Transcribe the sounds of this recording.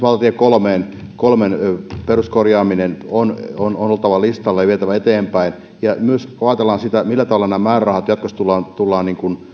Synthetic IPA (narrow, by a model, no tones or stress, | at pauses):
ʋɑlt̪ɑt̪iekolmeːn | kolmenperuskorjɑːminenonononolt̪ɑʋɑlist̪ɑlːɑjɑʋiet̪æʋæet̪eːmpæin | jɑmyøskɑːt̪elːˑɑːnsit̪æmilːæt̪ɑʋɑlɑnæːmæːrrɑhɑt̪jɑt̪kost̪ulːɑːnt̪ulːɑːniːŋkun